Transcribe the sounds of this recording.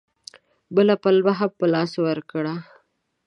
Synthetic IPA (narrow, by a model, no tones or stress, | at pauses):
bəlapalbaɦapəlɑswaɾkɽa